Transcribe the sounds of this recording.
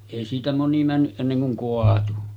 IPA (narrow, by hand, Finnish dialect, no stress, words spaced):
eˑi siːtæ moni mænːyʔ ʔenːeŋ kuŋ koɑtu